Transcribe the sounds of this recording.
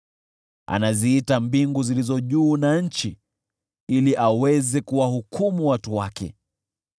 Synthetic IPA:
a̰naziitambiŋɡuzilizɔʄuːnaɲ̩t͡ʃi | iliʔawɛzɛkuwahukʰumuwatuwakɛ̰

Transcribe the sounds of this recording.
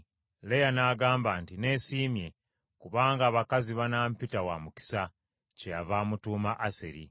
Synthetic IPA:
lejanaːɡaːmbaːntine̞siːmje̞ | kuβaːŋɡaːβakaziβanaːmpitawamuki̥sa | cejavaːmutuːmaʔasḛɾḭ

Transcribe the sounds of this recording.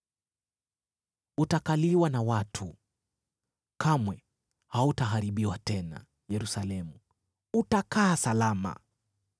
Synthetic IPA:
utakaliwanawatʰu | kamwɛ | hautaɦaɾiɓiwatɛna̰ | jɛɾusalɛmu | utakaːsalama̰

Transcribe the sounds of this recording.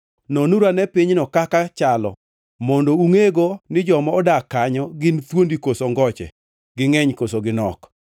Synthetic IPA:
nɔnuɾanɛpiɲnɔkakat͡ʃalɔ̰ | mɔndɔuŋeɡonɪd͡ʒɔmɔːdakaɲɔɡɪnt̪wondikosoŋɡɔt͡ʃɛ̰ | ɡɪŋɛɲkosoɡɪnɔ̰k

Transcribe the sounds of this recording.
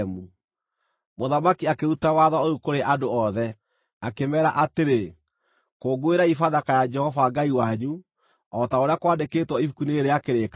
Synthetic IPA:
mu | moðamakiakeɾutawaðaoukoɾeʔadoɔðɛ | akemɛɾaʔateɾe | koɡoeɾaifaðakajad͡ʒɛhɔvaɡaiwaɲu | ɔtaoɾeakwaːdeketwɔifukuneeɾejakeɾeka

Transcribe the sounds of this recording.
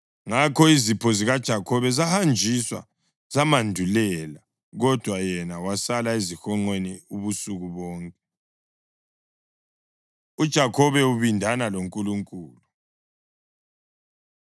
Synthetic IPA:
ŋakʰɔizipʰɔziɣad̥ʒ̥ʱakʰɔβɛzahand͡ʒʱiswa̰ | z̥amandʱulɛla | ɣɔd̥ʱwajɛnawasalaezixɔŋ͡ǃweniuβusuɣuβɔːŋkʼɛ | ud̥ʒ̥ʱakʰɔβɛuβindʱanaloŋkʼuluŋkʼuːlu

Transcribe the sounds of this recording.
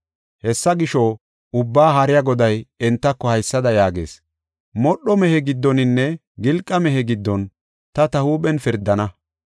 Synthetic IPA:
hɛsːɐɡɪʃɔ | ʊbːaːɦɐɾɪjɐɡɔd̪ɐjɛnt̪ːɐkːɔhɐjsːɐd̪ɐjaːɡḛːs | mɔɗːɔmɛhɛɡɪd̪ːɔnɪnːɛ | ɡɪlkʼːɐmɛɦɛɡɪd̪ːɔn | t̪ɐt̪ɐhuːɓɛnfɪɾd̪ːɐnɐ

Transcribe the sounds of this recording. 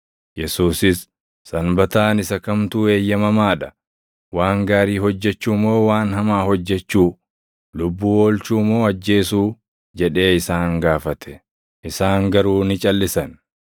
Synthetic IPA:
jɛsuːsɪsː | ɐnbɐt̪aːnɪsɐkɐmt̪uːe̞ːjːɐmɐmaːᶑɐ̥ | waːŋɡaːɾiːhɔd͡ʒːɛt͡ʃːuːmo̞ːwaːnhɐmaːhɔd͡ʒːɛt͡ʃːuː | lʊbːuːoːlt͡ʃuːmo̞ːɐd͡ʒːe̞ːsuː | d͡ʒɛᶑe̞ːɪsaːŋɡaːfɐt̪ʰɛ̥ | ʔɪsaːŋɡɐɾuːnɪt͡ʃʼɐlːɪsɐn

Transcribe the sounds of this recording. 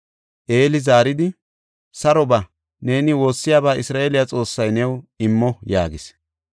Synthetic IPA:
ʔe̞ːlɪzaːɾɪd̪ɪ | sɐɾɔbɐ | ne̞ːnɪwo̞ːsːɪjaːbaːʔɪsɾaːʔeːlɪjat͡sʼo̞ːsːɐjnɛwɪmːɔja̰ːɡɪs

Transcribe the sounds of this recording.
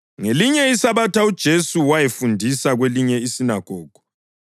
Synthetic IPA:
ŋeliɲɛisaβatʰaud̥ʒ̥ʱesuwajefundʱisaɣweliɲɛisinaɡ̥ʱɔːɡ̥ʱɔ̥

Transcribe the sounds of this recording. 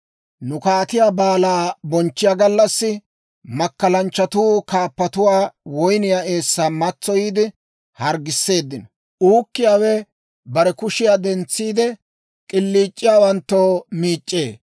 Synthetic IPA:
nʊkaːt̪ɪjaːbaːlaːbɔnt͡ʃːɪjaːɡɐlːɐsːɪ | mɐkːɐlɐnt͡ʃːɐt̪uːkaːpːɐt̪ʊwaːwɔjnɪjae̞ːsːaːmɐt͡sːɔjiːd̪ɪ | hɐɾɡɪsːe̞ːd̪ːɪnɔ | uːkːɪjaːwɛ | bɐɾɛkʊʃɪjaːd̪ɛnt͡sːiːd̪ɛ | kʼɪlːiːt͡ʃʼːɪjaːwɐnt̪ːoːmiːt͡ʃʼːḛː

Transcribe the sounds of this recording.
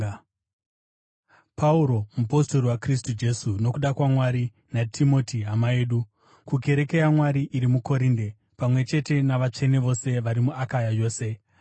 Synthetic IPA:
pauɾo̞mupo̞sto̞ɾiwakris̬tud͡ʒe̞suno̞kuɗakwamwaɾi | natʰimo̞tiɦamae̞ːɗu | kuɡʱe̞ɾe̞ke̞jamwaɾiʔiɾimuko̞ɾinde | pamwe̞t͡ʃe̞te̞naʋat͡ʂe̞neʋo̞se̞ʋaɾimuakajajo̞ːse̞

